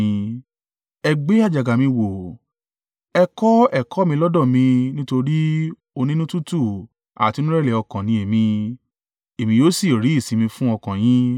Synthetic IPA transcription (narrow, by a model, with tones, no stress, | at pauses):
ɛ˧ɡ͡be˨˦a˦˨d͡ʒa˨ɡa˨mĩ˧wo˨ | ɛ˧kɔ˦ɛ˦˨kɔ˨˦mĩ˧lɔ˦dɔ˦˨mĩ˧nĩ˦to˧ɾi˦ | o˧nĩ˦nũ˦tu˦tu˦˨ | a̰˨ti˨˧˦nũ˦ɾɛ˦˨lɛ˨ɔ˧kã˨nĩ˧e˨mĩ˧ | e˨mĩ˧joː˨˦si˦˨ɾi˨˦i˦˨sĩ˨˦mĩ˧fũ˦ɔ˧kã˨j̃ĩ˦